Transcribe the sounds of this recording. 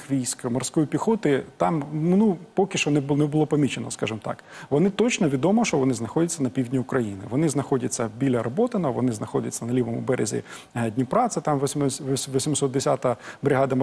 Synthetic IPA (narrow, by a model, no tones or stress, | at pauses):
xʋʲijsʲkmɔrsʲkɔjipʲixɔt̪ɪt̪ɑmnupɔkʲɪʃɔnɛnɛbʊlˠɔpɐmʲit͡ʃenɔ̰skɑʒɪmt̪ɑ̰kʋɔnɪt̪ɔt͡ʃnɔʋʲid̪ɔmɔʃt͡ʃɔʋɔnɪznɐxɔdʲɐt͡sʲːɐnɐpʲiwdʲnʲiʊkɾɐjinɪ̰ʋɔnɪznɐxɔdʲɐt͡sʲːɐbʲilʲɐɾɔbɔt̪ɪnɔʋɔ̰nɪznɐxɔdʲɐt͡sʲːɐnɐlʲiʋɔmʊ̰bɛɾʲḛzʲḭ | ɦdʲnʲipɾɑt̪sɪt̪ɑmʋʲʋʋɔsʲimsɔt̪d̪esʲat̪ɐbɾʲɪɦɑd̪ɐm